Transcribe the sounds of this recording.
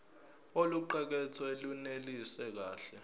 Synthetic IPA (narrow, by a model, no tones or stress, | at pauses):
oluǃɛk̬ɛt͡sʰɔelunelisɛk̬aːɬɛ